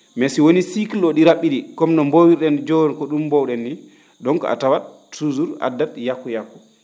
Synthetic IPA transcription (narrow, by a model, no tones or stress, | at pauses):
mɛsiwonisiklɔɗiɾaɓːiɗikɔmnɔmbowiɾɗɛnd͡ʒɔɔnkɔɗumːbɔwɗɛnːi | ɗɔŋkɔ̰a̰tawa | tuzuɾa̰dːatjakːujakːu̥